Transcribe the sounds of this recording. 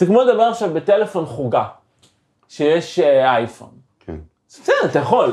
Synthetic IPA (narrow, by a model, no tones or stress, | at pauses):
tiɡmud̪abeaχʃavbet̪ele̞fo̞nχuɡa | ʃejeʃʔajfo̰n | kḛn | sɛdat̪ajaχo̞l